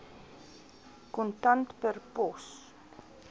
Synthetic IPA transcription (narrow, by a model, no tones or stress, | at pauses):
kɔntɐntpərpɔs